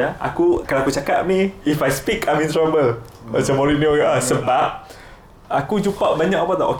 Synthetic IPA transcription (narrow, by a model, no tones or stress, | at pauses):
aa̰kukalaakut͡ʃakaʔ̚mĩifajspikãjmĩnt̪ɾabəl | səmɔɾinoasəbap̚ | akud͡ʒupaʔbaɲãkapat̪a̰ʔo̰k